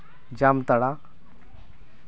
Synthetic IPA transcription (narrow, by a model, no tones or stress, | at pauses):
d͡ʑamt̪əɽa